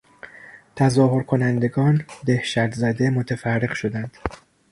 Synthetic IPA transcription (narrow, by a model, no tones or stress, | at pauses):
t̪ʰæzɒːhoɾkʰo̞nænd̪e̞ɡɒːnd̪e̞hʃæɾt̪zæd̪e̞mot̪ʰefærːeɣʃo̞d̪ænd̪̥